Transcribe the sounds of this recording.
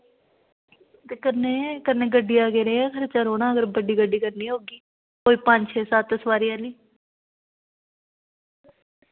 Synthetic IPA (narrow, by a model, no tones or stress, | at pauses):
t̪eːkənːeːkənːeːɡəɖːiːaːkeːɾeãːkʰəɾet͡ʃəɾoːnãːəɡəɾbəɖiːɡəɖːiːkəɾniːɦoːɡiː | koːiːpə̃ɲd͡ʒt͡ʃʰeːsaːt̪əsʋaːɾɪjãːliː